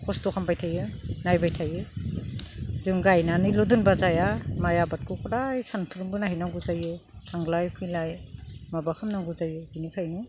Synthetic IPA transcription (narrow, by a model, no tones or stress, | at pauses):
kʰɔstokʰampʰajtʰajɯnajbajtʰajɯ | zɯŋɡajnanɯjlodunbazajamajabat̚kʰɯkʰɔɾajsanpʰuɾumbɯnaɦinaɡuzajɯtʰaŋlajkʰɯjlajmabakʰamnaɡuzajɯɡinipʰajnɯ